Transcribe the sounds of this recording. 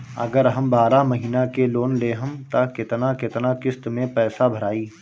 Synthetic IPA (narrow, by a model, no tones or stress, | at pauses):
ɐ̰ɡəɾɦɐ̃mbaːɾamɐɦiːnakeloːnleːɦəmt̪akɪt̪nakɪt̪nakɪst̪mẽpɛːsabʱɐɾaːiː